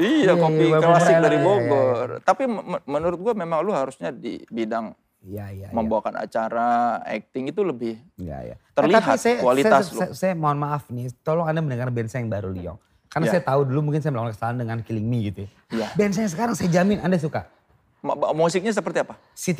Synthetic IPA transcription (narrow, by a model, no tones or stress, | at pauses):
ijakopiaklaɪdaɾibobərt̪apimənuɾʊt̪̚ɡuamemaŋluɦaɾusɲadḭbidaŋ | ijaja̰məmbaakana̰t͡ʃaɾaɛ̰k̚t̪ɪŋit̪uləbɪhija̰ja̰t̪ərliaɦpat̪sajakualitsaaslsajamaanmaafnit̪olɔŋandamənəŋarnbɛnsajaŋbaɾuliɔ̰ŋ | kaɾnasajat̪audulumuŋkɪnsajaməlawankə̥salandəŋankiliŋmiɡit̪u | jabɛns̬aɲasəkaɾaŋsajad͡ʒamɪnandas̬uka | mmusɪk̚ɲas̬əpərt̪iapa | si